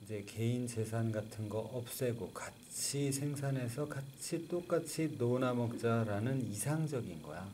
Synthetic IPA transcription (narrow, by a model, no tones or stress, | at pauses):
id͡ʑe̞keint͡ɕe̞s̬ʰanɡatʰɯnɡʌʔʌp̚s͈e̞ɡoka | t͡ɕʰisʰe̞ŋsʰane̞sʰʌkat͡ɕʰit͈ok͈at͡ɕʰinonamʌk̚t͡ɕ͈aɾanɯnisʰaŋd͡ʑʌɡinɡʌ̰ja